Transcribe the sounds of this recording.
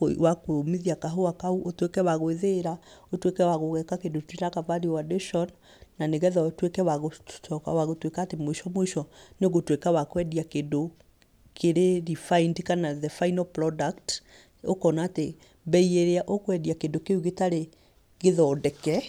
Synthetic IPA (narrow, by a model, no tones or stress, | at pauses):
wakmiðiakaɦoakauʔotwekɛwaɣoweðeɾaotwekɛwaɣoɣɛkakendotweɾakavaɾiwadeʃɔn | naneɣɛðɔotwekɛwaɣot͡ʃɔka̰waɣotwekaːtemoeʃɔmoeʃɔneoɣotwekawakwɛdiakendo | kʰeɾeɾifaindkanaðɛfainalpɾɔdakt | o̰kɔnaːte | bɛieɾeaʔokwɛdiakendokeuɣetaɾe | ɣeðɔːdɛkɛ